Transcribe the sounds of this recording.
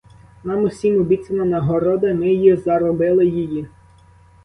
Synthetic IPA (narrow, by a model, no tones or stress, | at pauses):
nɑmʊsʲimʊbʲit̪sʲɪnɐnɐɦɔɾɔd̪ɐmɪjizɐɾɔbɪlˠɪjiji